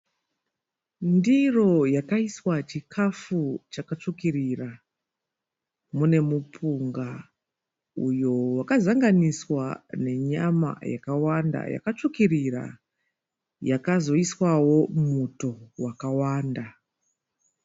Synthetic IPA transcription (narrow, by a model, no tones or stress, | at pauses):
ndiro̞jakaiswat͡ʃikʰafut͡ʃakat͡ʂukirira | mune̞mupʰuŋɡa | ujo̞wakazaŋɡaniswane̞ɲama̰ja̰kawanda̰ja̰kat͡ʂukirira̰ | jakazo̞iswawo̞muto̞wakawaːnda